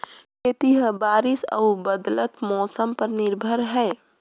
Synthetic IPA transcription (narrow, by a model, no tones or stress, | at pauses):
kʰet̪iɦəbaːɾɪsə̰ubəd̪lət̪mɔːsəmpəɾnɪɾbʱəɾɦɛː